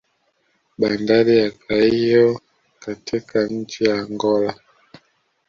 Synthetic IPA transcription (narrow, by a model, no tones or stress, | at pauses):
ɓandalijakʰaijɔ | katʰikan̩t͡ʃijaŋɡɔla